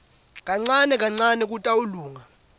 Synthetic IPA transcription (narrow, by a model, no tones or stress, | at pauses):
kʼaŋ͡ǀanɛkʼaŋ͡ǀanɛk̬ʼutʼauluːŋa